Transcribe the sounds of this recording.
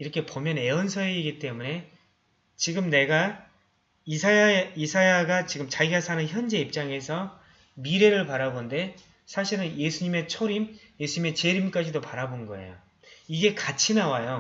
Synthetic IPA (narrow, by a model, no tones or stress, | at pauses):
iɾʌkʰe̞pomjʌne̞ʌnsʰʌeiɡit͈e̞mune̞ | t͡ɕiɡɯmne̞ɡa | isʰaisʰajaɡat͡ɕiɡɯmt͡ɕaɡiasʰanɯnçjʌnd͡ʑe̞ip̚t͡ɕ͈aŋe̞sʰʌ | miɾe̞ɾɯɭpaɾabonde̞ | sʰaɕʰiɾɯnje̞sʰuɲime̞t͡ɕʰoɾimje̞sʰuɲime̞t͡ɕe̞ɾimk͈ad͡ʑidopaɾabonɡʌ̰ḛjo̰ | iɡe̞kat͡ɕʰinawajo